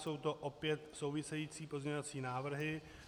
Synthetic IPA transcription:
so̞wt̪o̞ʔopjɛt̪so̞wvɪsɛjiːt͡siːpo̞zɲɛɲoat͡siːnaːvr̩ɦɪ

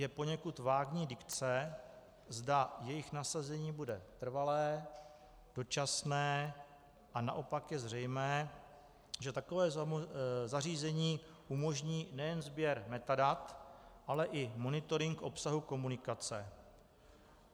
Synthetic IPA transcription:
jɛpo̞ɲɛkut̪vaːɡɲiːdɪkt͡sɛ | zdajɛjɪxnasazɛɲiːbudɛt̪r̩valɛː | d̥o̞t͡ʃasnɛː | ʔana̰ʔo̞pakjɛzr̝ɛjmɛː | ʒɛt̪akovɛː | zariːzɛɲiː | ʔumo̞ʒɲiːnɛjɛnzbjɛɾmɛt̪adat̪ʔalɛʔɪmo̞nɪt̪o̞ɾɪŋkʔo̞psaɦuko̞munɪkat͡sɛ

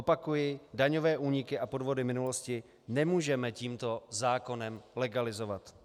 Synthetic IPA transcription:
opakujɪdaɲo̞vɛːʔuːɲɪkɪʔapo̞dvo̞dɪmɪnulo̞scɪ | nɛmuːʒɛmɛciːmt̪o̞zaːko̞nɛmlɛɡalɪzo̞vat̪

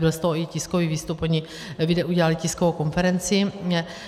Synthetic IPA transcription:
bɪlst̪oɦoɪcɪskoviːviːst̪upoɲɪ | vɪdɛʔuɟɛlalɪcɪskovowko̞nfɛɾɛnt͡sɪ

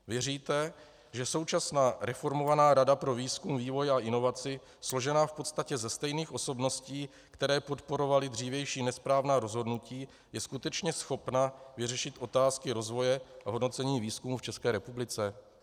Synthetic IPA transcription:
vjɛɾiːt̪ɛ | ʒɛso̞wt͡ʃasnaːɾɛfo̞ɾmovanaːɾadapɾo̞viːskumviːvo̞jaʔɪno̞vat͡sɪ | slo̞ʒɛnaːfpo̞t̪st̪acɛzɛst̪ɛjniːxʔo̞so̞bno̞sciː | kt̪ɛɾɛːpo̞t̪po̞ɾo̞valɪd̪r̝iːvjɛjʃiːnɛspɾaːvnaːɾo̞zɦo̞dnuciː | jɛskut̪ɛt͡ʃɲɛsxo̞pnavɪrɛʃɪt̪ʔo̞t̪aːskɪɾo̞zvo̞jɛaɦodno̞t͡sɛɲiːviːskumuːft͡ʃɛskɛːɾɛpublɪt͡sɛ

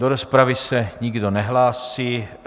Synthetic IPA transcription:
doɾospɾavɪsɛɲɪɡdo̞nɛɦlaːsiː

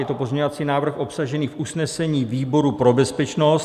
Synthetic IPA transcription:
jɛt̪opo̞zɲɛɲoat͡siːnaːvr̩xʔo̞psaʒɛniːfʔusnɛsɛɲiːviːbo̞ɾupɾo̞bɛspɛt͡ʃnos

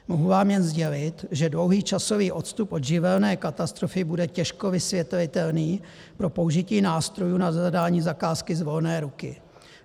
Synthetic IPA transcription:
moɦuvaːmjɛnzɟɛlɪt̪ʒɛdlo̞wɦiːt͡ʃaso̞viːʔo̞t̪st̪upʔo̞d̪ʒɪvɛlnɛːkat̪ast̪ɾofɪbudɛcɛʃkovɪsvjɛt̪vɪt̪ɛlniː | pɾo̞po̞uʒɪciːnaːst̪ɾo̞juːnazadaːɲiːzakaːskɪzvo̞lnɛːɾukɪ̰

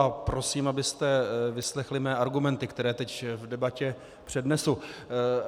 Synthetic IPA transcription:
apɾo̞siːmabɪst̪ɛvɪslɛxlɪmɛːʔaɾɡumɛnt̪ɪkt̪ɛɾɛːt̪ɛcvdɛbacɛ | pr̝̥ɛdnɛsu

